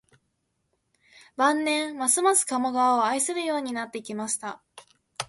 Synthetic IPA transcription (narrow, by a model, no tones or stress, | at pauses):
bãnːẽ̞ɰ̃masɨmasɨ̥kamoɡaβaoaisɨɾɯ̟jo̞ːɲ̟inat̪ːe̞ikʲimaɕi̥t̪a